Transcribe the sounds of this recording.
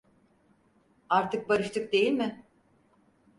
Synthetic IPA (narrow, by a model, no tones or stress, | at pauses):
aɾt̪ʰɯk̚baɾɯʃt̪ʰɯk̚d̪e̞jilʲmɪ